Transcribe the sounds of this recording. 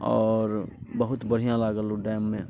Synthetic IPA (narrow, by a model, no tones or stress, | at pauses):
ɔːɾbəɦʊt̪bəɽ̤ijãlaːɡəloɖɛːmːẽ